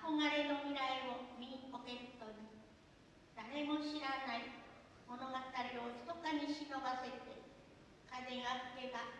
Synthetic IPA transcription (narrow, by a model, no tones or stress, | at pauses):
ako̞ŋaɾe̞nomʲiɾaio̞mʲiɲikoke̞ɾɯ̟t̪oni | d̪̥aɾe̞mo̞ɕiɾanai | mo̞no̞ɡat̪aɾeoto̥t̪okaɲ̟iɕinobase̞t̪e̞ | kad̪eɰakɯke̞ɡa